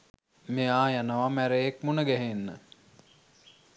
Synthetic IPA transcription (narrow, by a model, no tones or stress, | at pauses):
meaːjanəʋamæɾejek̚munəɡæɦenːə